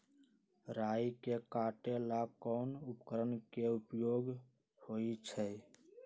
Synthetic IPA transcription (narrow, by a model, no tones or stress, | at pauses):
ɾaikekaʈelakɔːnʊpkəɾənkeupjoːɡ | hoit͡ʃʰɛ